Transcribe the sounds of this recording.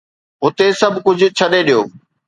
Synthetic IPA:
ɦʊt̪esɐbʱkʊd͡ʑ̆ʱt͡ɕʰɐɗeɗijoː

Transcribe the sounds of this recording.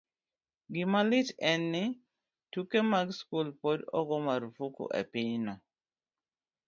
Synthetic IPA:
ɡɪmalɪt͡ʃɛnːɪ | tukemaɡskulpodɔ̰ɡɔmaɾfukṵʔḛpɪnɔ

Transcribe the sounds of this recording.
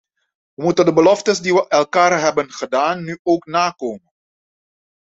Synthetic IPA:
ʋəmutəndəbəlɔftəsdiʋəʔɛlˠkaːrɦɛbənχədaːnːyʔoːknaːkoːmən

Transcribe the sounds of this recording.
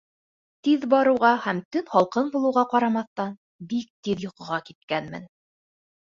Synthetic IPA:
t̪iðbɑɾɤ̆wʁɑhæmt̪ɵnhɑlˠqɤnbulˠɤ̆wʁɑqɑɾɑmɑθt̪ɑn | bik̚t̪iðjŏqɤ̆ʁɑkit̪̚kænmɘ̰n

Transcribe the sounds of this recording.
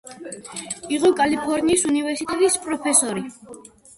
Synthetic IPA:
iʁɔkʼalipʰɔɾniːsunivɛɾsit̪ʼɛt̪ʼispʼɾɔpʰɛsɔɾi

